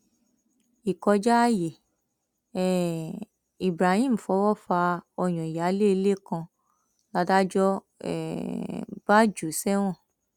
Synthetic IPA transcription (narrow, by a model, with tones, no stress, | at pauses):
i˨kɔ˧d͡ʒa˦je˨ | ɛ˦˨ | i˨bɾa˨hĩ˦˨m̩˨fɔ˨˦wɔ˦fa˧ɔ˧j̃ɔ̃˨ja˨˦le˦˧le˦kã˧ | la˧da˦d͡ʒɔ˦ | ɛ̰˨ | b̥a˦d͡ʒu˨sɛ˦w̃ɔ̃˦˨